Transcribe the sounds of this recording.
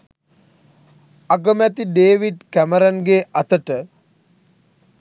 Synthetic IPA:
aɡəmæt̪iɖeːʋiɖkæməɾanɡeːʔat̪əʈə

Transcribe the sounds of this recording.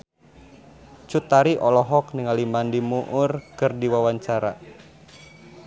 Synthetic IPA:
t͡ʃut̪aɾiʔɔlɔɦɔk̚niŋalimandimuʔʊrkɨrdiwawaɲt͡ʃaɾa

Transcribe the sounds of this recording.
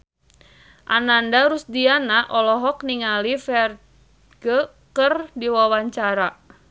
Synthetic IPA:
ʔa̰nandaɾusdianaʔɔlɔɦɔkniŋalifɛr | ɡə | kərdiwawaɲt͡ʃaɾa

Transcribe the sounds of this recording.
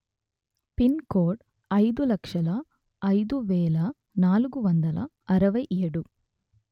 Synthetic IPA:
pinkoːʈ | ɐjd̪ulɐkʂɐlɐː | jd̪uʋɛːlɐ | naːlukuʋɐnd̪ɐlɐ̰ | ɐɾɐʋɐjʔeːɽu

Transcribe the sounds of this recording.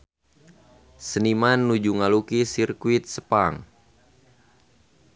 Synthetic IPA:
sənimanːud͡ʒuŋalukisirkuit̪̚səpaŋ

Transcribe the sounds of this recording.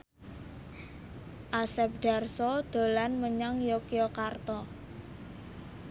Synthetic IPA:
ʔasɛp̚ɖ̥a̤rsɔd̪̥o̤lanməɲaŋjokiɔkart̪ɔ

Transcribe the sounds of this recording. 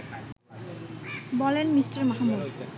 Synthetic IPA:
bɔlenmisʈaɾmaɦamːud̪

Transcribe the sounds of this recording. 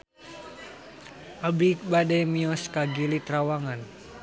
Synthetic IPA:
ʔabik̚badɛmiɔskaɡilit̪ɾawaŋan

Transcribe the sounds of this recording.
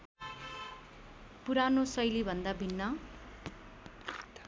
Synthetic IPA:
puɾanosʌjlibʱʌnd̪abʱinːʌ

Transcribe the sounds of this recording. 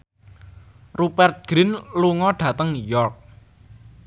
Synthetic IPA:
rupɛrt̪̚ɡ̥ɾɪnluŋɔɖ̥ä̤t̪əŋjɔrk̚

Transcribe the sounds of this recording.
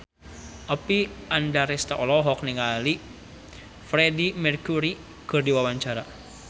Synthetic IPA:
ʔapiʔandaɾɛst̪aʔɔlɔɦɔk̚niŋali | fɾedimɛrkuɾi | kɨrdiwawaɲt͡ʃaɾa

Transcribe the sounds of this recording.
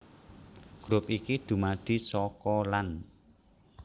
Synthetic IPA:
ɡ̥ɾʊp̚ikid̪̥ṳmad̪̥i̤sɔkɔlan

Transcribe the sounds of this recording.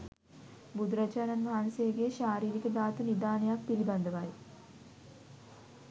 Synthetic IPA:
bud̪ɾɐd͡ʒaːnanmaɦansejɐɡejəʃaːɾiːɾikəd̪aːt̪unid̪aːnəjak̚piɾiband̪əʋaj

